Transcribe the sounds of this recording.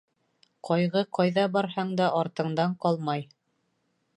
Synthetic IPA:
qʰɒjʁɤqɑjðɑbɑɾɦɑɴd̪ɑʔɑɾt̪ɤ̆ɴd̪ɑɴqɑlˠmɑj

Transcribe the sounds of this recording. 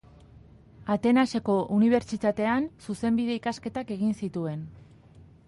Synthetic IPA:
at̪e̞nase̞ko̞ʔuniβ̞e̞ɾt͡ʃit̪at̪e̞ansuse̞mbiðe̞ikaske̞t̪ake̞ɣ̞insit̪ue̞n

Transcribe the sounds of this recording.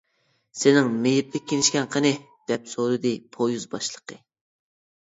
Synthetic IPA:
sɪnɪŋmejɪp̚t̪ʰɪkʲʰːenɪʃkʲɛnqʰənɪ | d̪̥ɛpsoɾɨd̪ɨpʰojuzbɑʃlˠə̥qə

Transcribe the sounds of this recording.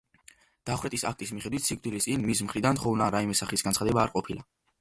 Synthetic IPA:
d̪̥aχwɾɛt̪ʼisa̰k̚ʰt̪ʼismiχɛd̪wit̪ʰsik̚ʼd̪wilist̪ʼinmis̬mχɾid̪ant̪ʰχɔvnaɾaimɛsaχisɡansχad̪ɛbaːɾqʼɔpʰilˠa

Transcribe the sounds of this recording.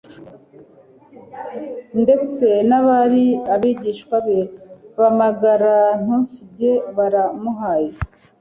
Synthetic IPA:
nde̞t͡se̞naβaɾiaβiɟiːʃkwaβeβamaɡaɾan̥usiɟe̞βaɾamuɦaːje

